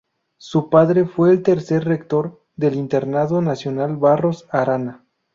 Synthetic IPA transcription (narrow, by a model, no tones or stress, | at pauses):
supaðɾe̞fweːlt̪e̞ɾse̞ɾrek̚t̪o̞ɾ | ðe̞lint̪e̞ɾnaðo̞nasjo̞nalβaro̞saɾana